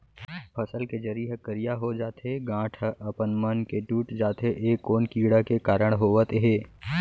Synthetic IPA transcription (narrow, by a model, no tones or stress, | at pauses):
pʰɐsəlked͡ʒɐɾiəkəɾijaɦod͡ʒaːt̪ɦeɡãːʈʰʔɐpənmənkeʈuːʈd͡ʒaːt̪eʔeːkːoːnkiːɽakekaːɾəɽ̃ɦoːʋət̪eɦeː